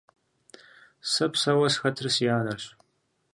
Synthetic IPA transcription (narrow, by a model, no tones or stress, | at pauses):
sɐpʰsɐwɐsxɐtʰɨrɨsjaːnɐɕ